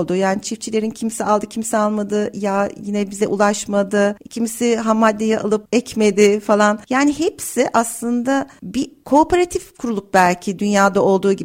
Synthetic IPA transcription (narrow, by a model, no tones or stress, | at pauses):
lˠd̪ujaːnit͡ʃʰift͡ʃʰilʲe̞ɾincʰimsialˠd̪ɯcʰimsialˠmad̪ɯjajinɛbizɛʔulˠaʃmad̪ɯcʰimsiɦamːad̪ʲːejɛʔa̰lˠɯp̚ɛcme̞d̪ɪfalˠanjaːnihepsiʔaslˠɯnd̪abikʰo̞ːpeɾat̪ʰifkʰuɾulˠup̚bælʲcʰid̪ynjaːd̪ao̞lˠd̪uːɟi